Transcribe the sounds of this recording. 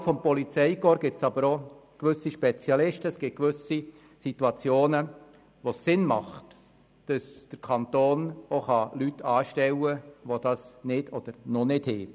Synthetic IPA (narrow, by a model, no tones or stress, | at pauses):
fɔmpɔlit͡sɛɪkoːɾɡɪsɑbəɾokʋʏsiʃpɛt͡sjɑlɪʃtəɛsɡ̥ɪt̚kʋʏsi | situɑt͡sjoːnə | ʋosːɪnmɑ̰χt | d̥ɑsd̥əɾkʰɑnt̪oːnoχɑlytːʰɑːʃtɛwəʋod̥ɑsnɪd̥ʰɔd̥əɾnɔnɪdhɛː